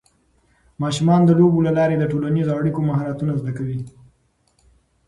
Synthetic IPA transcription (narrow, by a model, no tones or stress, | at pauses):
mɑʃumɑnd̪əlobolalɑɾed̪əʈolanizoaɽikomaɦɑɾat̪unazd̪akawi